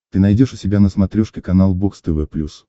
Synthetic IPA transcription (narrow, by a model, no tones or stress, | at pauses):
t̪ɨnɐjdʲo̞ʂʊsʲɪbʲanəsmɐt̪ɾʲoʂkʲɪkɐnalˠbokst̪ɨvɛplʲus